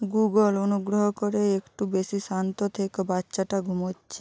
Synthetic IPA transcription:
ɡuɡolonuɡɾoɦokoɾeekʈubesiʃant̪ot̪ʰekebatːɕaʈaɡʱumotːɕʰe

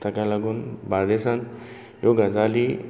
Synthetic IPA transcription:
t̪ʰakalaɡunbad̪esãnt̪ | joɡad͡zali

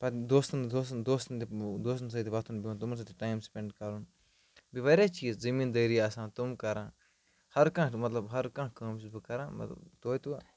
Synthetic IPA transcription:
pɐt̪d̪oːst̪nd̪oːsd̪oːst̪nt̪ed̪oːst̪ns̬ɐt̪iʋat̪ʰunbĩnt̪umnsɐt̪iʈaːjmspẽɳɖkɐɾun | biʋɐɾjaːt͡ʃiːzzɐmiːnd̪ɐjɾiaːsãːt̪umkɐɾãː | hɐɾkãːmɐt̪lɐbɦɐɾkãːkaːmt͡ʃizbikɐɾãːmɐ̰t̪lɐ̰bd̪oːjt̪uʋaː

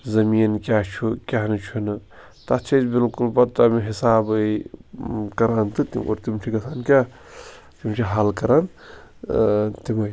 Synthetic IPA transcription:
zɐmiːnkʲat͡ʃʰukʲaɦnɨt͡ʃʰunɨ | t̪ɐt͡ʃʰibilkulbɐt̪amiɦisaːb | kɐɾaːnt̪ɨt̪ḭmo̰ɾt̪imt͡ʃʰikɐsʰaːnkʲa | t̪imt͡ʃʰiɦɐlkɐɾan | t̪imɐj

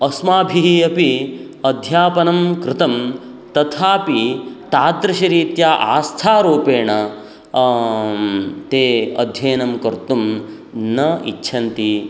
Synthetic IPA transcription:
ɐsmaːbʱiiɐpi | ɐd̪ʱjaːpɐnɐmkɾɪt̪ɐm | t̪ɐt̪ʰaːpit̪aːd̪ɾɐʃɐɾiːt̪jaːʔa̰ːst̪ʰaːɾoːpeːɳɐ | t̪eːɐ̰d̪ʱjɐːnɐmkɐɾt̪um | nɐḭːt͡ʃʰɐnt̪i

